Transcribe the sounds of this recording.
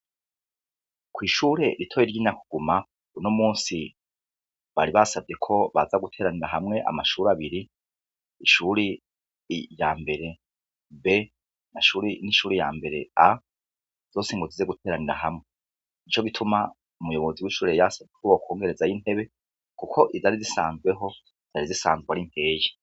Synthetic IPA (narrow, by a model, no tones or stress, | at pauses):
kwiːʃuːɾe̞ɾitʰo̞ːjeɾɟiːnaku̥ɡ̥uma | unomuːnsi | βaɾiβasab̚ɟe̞kʰo̞βa̰zaɡutʰe̞ːɾaniɾaɦamŋe̞ʔa̰maʃuːɾaβiɾi | iʃuɾe | jaːmbe̞ɾe̞ | be̞ | naʃuːɾiniʃuːɾeja̰ːmbe̞ɾe̞̰a | z̥o̞ːseŋɡozizeɡutʰeːɾaniɾa̰ɦamŋe | it͡ʃo̞ɡitʰuma | umujo̞βo̞ziwiʃuːɾejasabjekʰoβokʰo̞ːŋɡe̞ɾe̞zajinhe̞βe̞ | kukʰo̞ʔizaɾizisaːnzɡwe̞ɦo̞ | iz̥aɾizisa̰ːnzwaɾim̥e̞ːje